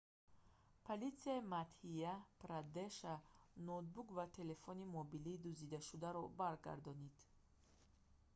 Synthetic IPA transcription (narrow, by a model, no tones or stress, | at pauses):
pʰolit̪siaimat̪hijapɾad̪eʃanɔd̪̚bukvat̪ʰe̞le̞fɔnimɔbiliːd̪uzid̪aʃud̪aɾɔbaɾɡa̰ɾd̪ɔnid̪̥